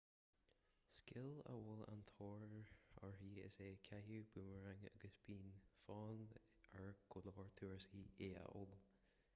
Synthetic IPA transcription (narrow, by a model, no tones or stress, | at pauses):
skɪlə̰wʊla̰nt̪ʰoːɹəɹhiːɪ̰seːkʲʰajuːb̥uːməɹaŋa̰ɡəsb̥iːnfɑːn | əɹɡ̥ʊləɔɹt̪ʰuːɹsiːeːə̰ʔʊl